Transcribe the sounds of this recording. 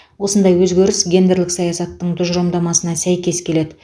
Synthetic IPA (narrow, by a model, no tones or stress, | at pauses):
wo̞sənd̪ɑjwɵzɡʲeɾɪsɡʲe̞nd̪eɾlɪksɑjɑsɑt̪ːəɴd̪ʊʒɾomd̪ɑmɑsənɑsæjkʲe̞skʲʰe̞le̞d̪ɪ